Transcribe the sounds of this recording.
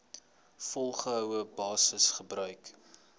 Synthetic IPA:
fɔlˠχəɦœwəbɑːsəsχəbrœɥk

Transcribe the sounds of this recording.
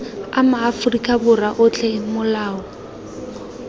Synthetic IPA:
amaːfʊrikʼabʊraʔʊt͡ɬʰʼɛmʊlaːɔ

